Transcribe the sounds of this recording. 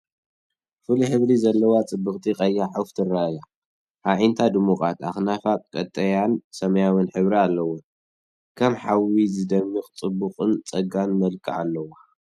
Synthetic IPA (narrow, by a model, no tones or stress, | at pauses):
fɨliħɨβɾizɐlːɐwat͡sʼɨbːɨkʼt̪ʰikʼɐjːaħaft̪ʰɨraja | haʕint̪ʰad̪umukʼat̪axnafatʼkʼɐt̪ʼːɐjansɐmɐjawɨnħɨβɾialːɐwo | kʰɐmħawizɨd̪ɐmːikʼt͡sʼɨbːuχʼɨnt͡sʼɐɡanmɐlkʰʼɨ̰ʔa̰lːɐwa